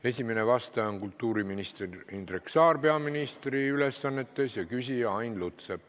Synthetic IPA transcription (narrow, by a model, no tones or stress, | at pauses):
e̞sʲimenevɑst̪ɑonkult̪ːuːɾiminist̪erind̪̥reksɑːrpe̞ɑminist̪riyle̞sːɑnːe̞t̪ːe̞sjɑkysʲiɑjnlut̪seb̥